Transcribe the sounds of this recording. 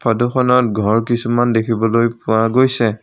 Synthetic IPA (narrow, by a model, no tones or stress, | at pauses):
pʰadɔxɔnɔtɡʱɔɹkisumandekʰibɔlojpʊaɡojsɛ